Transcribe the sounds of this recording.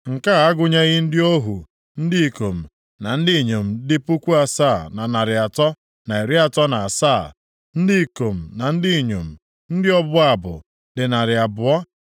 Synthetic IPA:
ŋ̩˨ka˦˨a˦ɡʊ˦ɲa˦ɣɪ˦n̩˦dɪ˦o˦ɦu˨ | n̩˦dɪ˦˨ko˨m̩˨ | na˨n̩˦dɪ˦˨ɲo˨m̩˨dɪ˦pʊ˦kʷu˦a˨saː˦˨na˨na˨ɾɪ˨a˨tɔ˦ | na˨i˨ɾi˦a˦˨tɔ˦na˨a˨saː˦˨ | n̩˦dɪ˦˨ko˨m̩˨na˨n̩˦dɪ˦˨ɲo˨m̩˨ | n̩˦dɪ˦ɔ˦bʊ˦a˨bʊ̰˨ | dɪ˨na˨ɾɪ˨a˨bʊ˨ɔ˦

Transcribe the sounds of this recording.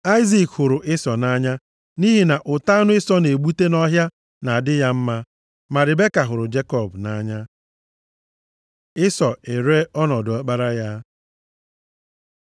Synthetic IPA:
a˦ɪ˦zi˨khʊ˨ɾʊ˨ʔɪ˦sɔ˨na˦ɲa˦ | ni˦ɦi˨na˨ʔʊ˨ta˦nʊ˦ɪ˦sɔ˦ne˨ɡ͡bu˦te˦nɔ˦ɦja˦ | na˨dɪ˦ja˦m̩˦ma˦ | ma˨ɾɪ˨be˦ka˨ɦʊ˨ɾʊ˨d͡ʒe˦kɔ˦˨bna˨ɲa˦ | ɪ˦sɔ˨ɪ˨ɾe˦ɔ˦nɔ˨dʊ˨a˦k͡pa˦ɾa˦ja˦

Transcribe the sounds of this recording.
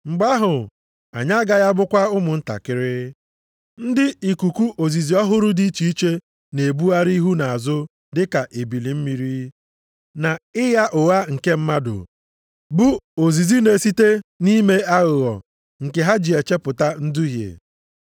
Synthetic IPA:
ŋ͡m̩˨ɡ͡ba˦ɦʊ˨ | a̰˨ɲa˦ɡa˨ja˦bʊ˦kʷa˦ʊ˦mʊ˨n̩˦ta̰˨kɪ˦ɾɪ˦ | n̩˦dɪ˦i˨ku˨ku˦ʔo˨zi˨zi˨ɔ˦ɦʊ˦ɾʊ˦di˦i˦t͡ʃi˨i˦t͡ʃe˦ | ne˨bu˦a˦ɾi˦ɦu˦na˨a˨zʊ˦ | dɪ˦ka˨ʔe˨bi˨li˨m̩˦mi˨ɾi˦ | na˨ɪ˦ja˦ʔʊ˨ɣa˦ŋ̩˨ke˦m̩˦ma˦dʊ̰˨ | bʊ˦o˨zi˨zi˦ne˨si˦te˦ni˦me˦a˦ɣʊ˨ɣɔ̰˨ | ŋ̩˨ke˨ɦa˦d͡ʒi˨e˨t͡ʃe˦pʊ˨ta˦n̩˦du˦ɦjḛ˨

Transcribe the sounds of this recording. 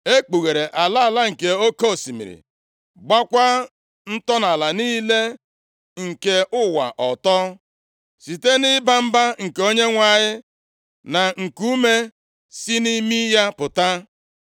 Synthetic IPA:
e˦k͡pu˨ɣe˨ɾe˨ʔa˨la˦˨la˦ŋ̩˨ke˨o˦ko˦˨si˨mḭ˨ɾḭ˨ | ɡ͡ba˦kʷa˦ | n̩˦tɔ˦na˨la˨niː˦le˦ | ŋ̩˨ke˨ʔʊ˦wa̰˨ʔɔ˨tɔ˦ | si˨te˦nɪ˦ba˦m̩˦ba˦ŋ̩˨ko˦ɲe˦ŋʷa˨ɲɪ˦ | na˨ŋ̩˨ku˦me˦ | si˦ni˦mi˦ja˦pʊ˨ta˦

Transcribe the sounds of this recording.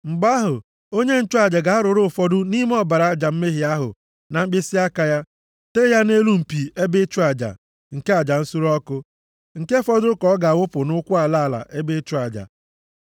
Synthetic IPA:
ŋ͡m̩˨ɡ͡ba˦ɦʊ˨ | o˦ɲe˦n̩˦t͡ʃʊ˦a˨d͡ʒa˨ɡa˨a˦ɾʊ˨ɾʊ˦˨fɔ˦dʊ˦ni˦m˦ɔ˦ba˨ɾa˦˨d͡ʒa˨m̩˦me˦ɦi˨a˦ɦʊ̰˨ | na˨ŋ͡m̩˦ɡ͡bɪ˦sɪ˦a˦ka˨ja˦ | te˦ja˦ne˦lu˦m̩˨pi˨e˦be˦t͡ʃu˦a˨d͡ʒa̰˨ | ŋ̩˨ke˦a˨d͡ʒa˨n̩˦su˦ɾɔ˦kʊ˦ | ŋ̩˨ke˦fɔ˦dʊ˦kɔ˦ɡa˨wʷʊ˦pʊ˨nʊ˦kʷʊ˦a˨la˦˨la̰˨ʔe˦be˦t͡ʃʊ˦a˨d͡ʒa̰˨

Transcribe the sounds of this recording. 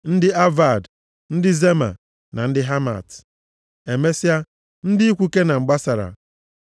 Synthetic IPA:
n̩˦dɪ˦a˦va˨d | n̩˦dɪ˦ze˦ma̰˨ | na˨n̩˦dɪ˦ɦa˦ma̰˨t | e˨me˦si˦a˦ | n̩˦dɪ˦i˦kʷu˨˦ke˦na˨ŋ͡m̩˨ɡ͡ba˦sa˨ɾa̰˨

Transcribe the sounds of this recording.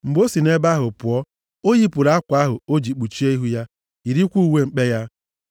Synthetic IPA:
ŋ͡m̩˨ɡ͡bo˦si˨ne˦ba˦ɦʊ˨pʊ˨ɔ˦ | o˦ɲi˦pʊ˨ɾa˨˦kʷa˦ɦʊ˨o˦d͡ʒi˨k͡pu˨t͡ʃi˦e˦i˦ɦu˦ja˦ | i˨ɾi˦kʷu˦u˨we˦ŋ͡m̩˨k͡pe˦ja˦

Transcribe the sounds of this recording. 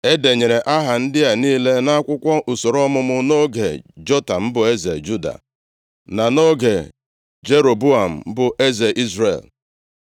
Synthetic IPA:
e˦de˨ɲe˨ɾe˨ʔa˦ɦa˨n̩˦dɪ˦a˨niː˦le˦na˦kʷʊ˦kʷɔ˦ʔʊ˨so˨ɾɔ˦mʊ˦mʊ˦no˦ɡḛ˨d͡ʒɔ˦ta˨m̩˦bʊ˨e˦zḛ˨d͡ʒu˦da̰˨ | na˨no˦ɡe˨ | d͡ʒe˦ɾo˨bu˦a˨m̩˨˦bʊ˨ʔe˦ze˨ʔi˦zɾḛ˨l

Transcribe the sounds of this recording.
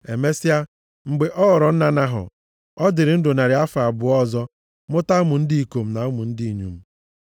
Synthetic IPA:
e˨me˦si˦a˦ | ŋ͡m̩˨ɡ͡be˨ʔɔ˦˨ɾɔ˨n̩˦na˦na˦ɦʊ̰˨ | ɔ˦dɪ˨ɾɪ˨n̩˦dʊ˨na˨ɾɪ˨˦a˦fa˨bʊ˨ɔ˦zɔ˦ | mʊ˦ta˦ʊ˦mʊ˨n̩˦di˦i˨ko˨m̩˨na˨ʊ˦mʊ˨n̩˦di˦i˨ɲṵ˨m̩˦

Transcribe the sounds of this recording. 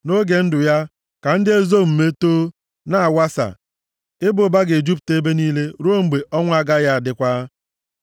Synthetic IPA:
no˦ɡe˨n̩˦dʊ˨ja˦ | ka˨n̩˦dɪ˦e˦zo˦m̩˨me˦toː˦ | na˦˨a˨wa˦sa̰˨ | ɪ˦bʊ˨ba˦ɡe˨d͡ʒu˦p̚te˦be˦niː˦le˦ɾo˦m̩˨ɡ͡be˨ʔɔ˦ŋʷ˦a˦ɡa˦ja˦a˨dɪ˦kʷa˦

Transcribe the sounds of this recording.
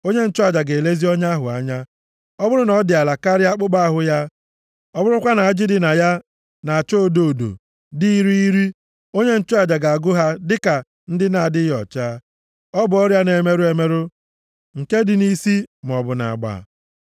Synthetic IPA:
o˦ɲe˦n̩˦t͡ʃʊ˦a˨d͡ʒa˨ɡe˨le˦zi˦ɔ˦ɲa˦ɦʊ̰˨a˦ɲa˦ | ɔ˦bʊ˦ɾʊ˦nɔ˨˦dɪ˨a˨la˨ka˦ɾa˦k͡pʊ˦k͡pa˦ɦʊ˦ja˦ | ɔ˦bʊ˦ɾʊ˦kʷa˦na˨a˦˨d͡ʒɪ˦dɪ˨na˨ja˦ | na˨a˨t͡ʃo˦˨do˦˨do̰˨ | di˦i˦ɾi˦i˦ɾi˦ | o˦ɲe˦n̩˦t͡ʃʊ˦a˨d͡ʒa˨ɡa˨a˨ɡʊ˦ɦa˦dɪ˦ka˨ | n̩˦dɪ˦na˨a˨dɪ˦ɦɔ̰˨t͡ʃa˦ | ɔ˦bʊ˨ɔ˦ɾja˦ne˨me˦ɾʊ˦e˦me˦ɾʊ˦ | ŋ̩˨ke˦dɪ˨ni˦si˦m˨ɔ˨bʊ˨na̰˨a̰˨ɡ͡ba̰˨

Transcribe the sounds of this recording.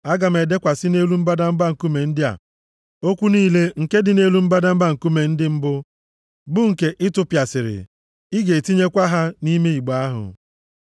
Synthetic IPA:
a˦ɡa˨m̩˨e˨de˦kʷa˨sɪ˦ne˦lu˦m̩˦ba˦da˦m̩˦ba˦ŋ̩˨ku˦me˨n̩˦dɪ˦a̰˨ | o˦kʷu˦niː˦le˦ŋ̩˨ke˦dɪ˨ne˦lu˦m̩˦ba˦da˦m̩˦ba˦ŋ̩˨ku˦me˨n̩˦dɪ˦m̩˦bʊ˦ | bʊ˦ŋ̩˨ke˨ʔɪ˦tʊ˦pja˨sɪ˨ɾɪ̰˨ | ɪ˦ɡe˨ti˦ɲe˦kʷa˦ɦa˦ni˦me˦i˨ɡ͡ba˨a˦ɦʊ̰˨

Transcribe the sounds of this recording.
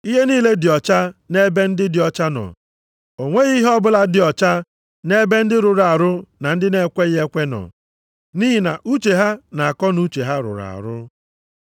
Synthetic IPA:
i˦ɦe˦niː˦le˦dɪ˨ɔ˨t͡ʃa˦ne˦be˦n̩˦dɪ˦dɪ˨ɔ˨t͡ʃa˦nɔ̰˨ | o˨ŋʷe˦ɣi˦ɦɔ˦bʊ˦la˦dɪ˨ɔ˨t͡ʃa˦ | ne˦be˦n̩˦dɪ˦ɾʊ˨ɾa˨a˨ɾʊ˦na˨n̩˦dɪ˦ne˦kʷe˦je˦kʷe˦nɔ̰˨ | ni˦ɦi˨˦na˨ʔu˦t͡ʃe˨ɦa˦na˨a˨kɔ˦nu˦t͡ʃe˨ɦa˦ɾʊ̰˨ɾa̰˨ɾʊ˦

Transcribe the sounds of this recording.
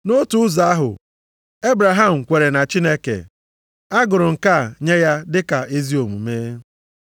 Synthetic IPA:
no˦tʊ˦ʊ˦za˨˦a˦ɦʊ̰˨ | e˦bɾa˨ɦa˦m̩˨kʷe˨ɾe˨na˨t͡ʃi˦ne˦kḛ˨ | a˦ɡʊ˨ɾʊ˨ŋ̩˨ka˦˨ɲe˦ja˦dɪ˦ka˨ʔe˦zi˦o˨mu˨meː˦

